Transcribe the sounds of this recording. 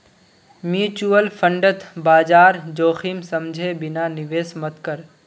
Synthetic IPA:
mjuːt͡ʃuəlpʰə̃ɳɖət̪ʰbaːd͡ʒaːɾd͡ʒoːximsɐmd͡ʒʱebɪnanɪʋeːsmət̪kəɾ

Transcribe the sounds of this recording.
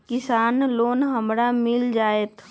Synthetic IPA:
kɪsaːnloːnɦəmɾamɪld͡ʒaːeːt̪ʰ

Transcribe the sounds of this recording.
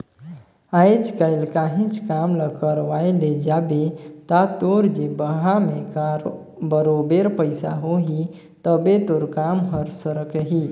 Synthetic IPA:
ajt͡ʃkaɪlkaɦĩt͡ʃʰkamləkəɾʋajled͡ʒabet̪at̪oɾd͡ʒebəɦamẽk | bəɾobeɾpəɪsaɦoɦi | t̪əbet̪oɾkamɦəɾsəɾəkɦi

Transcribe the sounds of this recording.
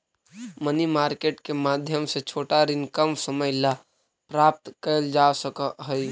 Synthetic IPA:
mənimaːɾkeːʈkemaːd̪ʱjəmset͡ʃʰoːʈaɾɪnkəmsəməjla | pɾaːp̚t̪kəld͡ʒaːsəkəɦəj

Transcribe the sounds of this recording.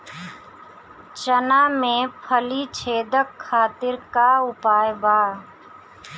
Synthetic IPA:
t͡ʃənaːmẽpʰəlit͡ʃʰeːd̪əkʰːaːt̪ɪɾkaʊpaːjbaː

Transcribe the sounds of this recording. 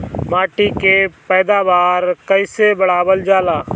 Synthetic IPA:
maːʈikepɛːd̪aːʋaːɾkəisebəɽaːbəld͡ʒaːlaː

